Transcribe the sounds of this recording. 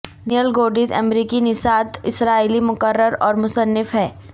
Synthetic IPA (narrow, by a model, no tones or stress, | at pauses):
nɪəlɡoːɖɪzə̰mɾiːkinɪsaːt̪ɪsɾaːiːlimʊkəɾːəɾɔːɾmʊsənːɪfɦɛː